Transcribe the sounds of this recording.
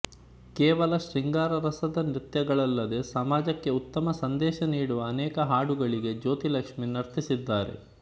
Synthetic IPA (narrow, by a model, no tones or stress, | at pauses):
kɛːʋɐlɐʃɾiŋɡaːɾɐɾɐsɐd̪ɐnɾit̪jɐɡɐɭɐlːɐd̪e̞sɐmaːd͡ʒɐkːe̞ut̪ːɐmɐsɐnd̪ɛːʃɐniːɽuʋɐːnɛːkɐɦaːɽuɡɐɭiɡe̞d͡ʒo̞ːt̪ilɐkʂminɐɾt̪ʰisid̪ːaːɾḛ